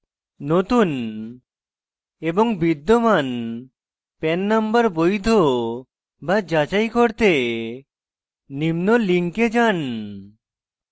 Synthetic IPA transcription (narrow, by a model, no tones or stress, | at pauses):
not̪un | ebɔŋbid̪ːoman | pɛnːambəɾbojd̪ʱo | bad͡ʒat͡ʃajkoɾt̪e | nimnoliŋked͡ʒan